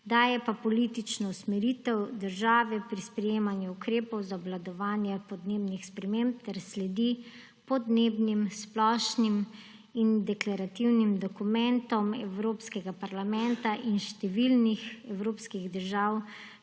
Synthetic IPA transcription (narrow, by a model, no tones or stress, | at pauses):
d̪ajɛpapɔlit̪it͡ʃnɔusmɛɾit̪ɛwd̪əɾʒaːʋɛpɾispɾɛjeːmanjuukɾeːpɔwzaɔblad̪ɔʋaːnjɛpɔd̪neːbnixspɾɛmemp̚t̪ɛɾslɛd̪i | pɔd̪neːbnimsplɔːʃnim | ind̪ɛklaɾat̪iwnimd̪ɔkumɛnt̪ɔmɛwɾoːpskɛɡapaɾlamɛnt̪aʔinʃt̪ɛʋilnixɛwɾoːpskiɣd̪əɾʒaːw